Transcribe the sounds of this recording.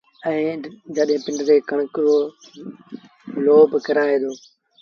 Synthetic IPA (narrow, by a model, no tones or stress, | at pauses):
ɛ̃ːd͡ʑəɗɦɪ̃pɪ̃ɳɖt̪eːkɐɳ̃kɾo | loːbkɐɾaːeːd̪oː